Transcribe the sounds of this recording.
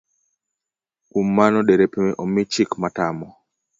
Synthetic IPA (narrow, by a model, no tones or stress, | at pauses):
kumːanɔɗɛɾɛpɛmɛʔɔmit͡ʃikmatamɔ